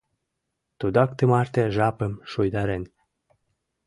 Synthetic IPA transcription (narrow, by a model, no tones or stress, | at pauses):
t̪ud̪ak̚t̪əmart̪ʲeʒapəmʃujd̪aɾenʲ